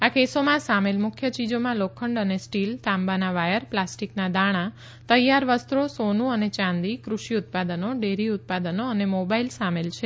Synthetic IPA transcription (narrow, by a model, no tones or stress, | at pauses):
akesomãsamelmʊkʰjət͡ʃid͡ʒomãlokʰəɳɖənesʈilt̪ãmbanaʋajəɾplasʈiknad̪aɽ̃ã | t̪əjaɾʋəst̪ɾosonũənet͡ʃãnd̪ikɾuʃiʊt̪̚pad̪ənoɖeɾiʊt̪̚pad̪ənoənemobailsamelt͡ʃʰe